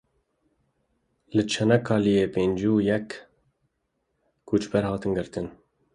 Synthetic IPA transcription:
lɨt͡ʃʰɛnɛkʰɑːlijeːpeːnd͡ʒuːjɛk | ut͡ʃbɛɾhɑːt̪ɨnɡɨɾt̪ɨn

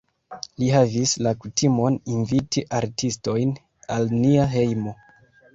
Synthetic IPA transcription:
liɦavislakutʰimo̞ninvitiʔaɾtʰisto̞jn | alniaɦe̞jmo̞

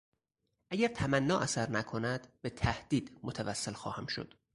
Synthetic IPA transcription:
ʔæɟæɾt̪ʰæmænːɒːʔæsæɾnækʰonæd̪̥b̥e̞t̪ʰæhd̪̥iːd̪̥mot̪ʰævæsːelxɒ̰ːhæmʃo̞̰d̪̥

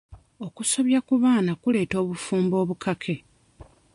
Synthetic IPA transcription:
o̞kuso̞βjakuβaːnakule̞ːto̞ːβufuːmbo̞ːβukʰakʰe̞

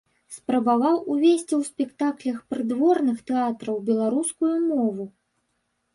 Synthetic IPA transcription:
spɾɐbavawuvʲesʲt͡sʲiwspʲɛkt̪aklʲɐxpɾɨd̪vɔrnɨxt̪ɛat̪ɾɐwbʲɛlˠaɾuskujumɔvu

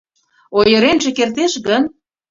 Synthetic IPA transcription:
ojɤ̆ɾenʒĕkert̪eʃɣən

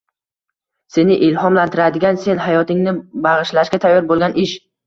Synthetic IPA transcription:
se̞nɪʔɪlhɒmlant̪ʰɪɾad̪ɪɡʲanse̞nɦajɒt̪ɪŋnɪbaʁɨʃlaʃɡʲat̪ʰajːɒɾbolˠɡʲanʔɪʃ

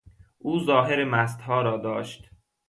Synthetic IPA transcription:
ʔuːzɒːɦeɾemæs̬t̪hɒːɾɒːd̪ɒːʃt̪

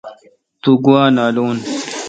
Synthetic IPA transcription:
t̪uɡuwaːnaːluːn

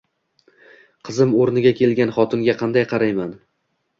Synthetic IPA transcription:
qʰɨzɪmoɾnɪɡʲakʲʰe̞lɡʲanχɒt̪ʰɪŋɡʲaqʰɑnd̪ajqʰɑɾajman

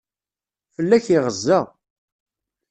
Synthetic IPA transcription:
fəlːæçiʁəzːæʁ

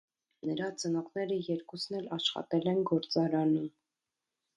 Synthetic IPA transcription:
nəɾɑt͡sənɔʁnɛɾəjɛɾkusnɛlɑʃχɑ̰t̪ɛlɛnɡɔɾt͡sɑɾɑnum

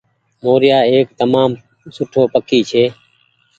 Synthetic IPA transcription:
moːɾɪjaːeːk̚t̪əmaːm | sʊʈʰoːpəkʰiːt͡ʃʰeː

